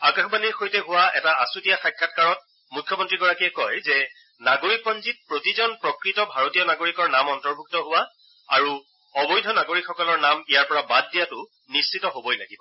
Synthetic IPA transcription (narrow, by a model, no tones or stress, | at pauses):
akaxbaniɹxojtɛɦʊwaɛ̰taasutijaxajkʰːatkaɹɔt̚ | mukʰːjɔmɔntɹiɡɔɹakiɛkɔjzɛ | naɡoɹik̚pɔnzit̚pɹotizɔnpɹɔkɹitɔbʱaɹotijɔnaɡoɹikɔɹnamɔntɔɹbʱuk̚tɔɦʊwa | a̰ɹu | ɔbɔjdʱɔnaɡoɹikxɔkɔlɔɹnamijaɹpɔɹabad̚ːijatʊ | nist͡ʃitɔɦobɔjla̰ɡibɔ